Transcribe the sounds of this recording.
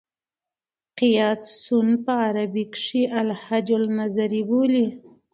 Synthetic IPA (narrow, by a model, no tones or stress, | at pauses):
qɪjɑsːunpəaɾabikʂiʔalhad͡ʒʊlnazaɾiboli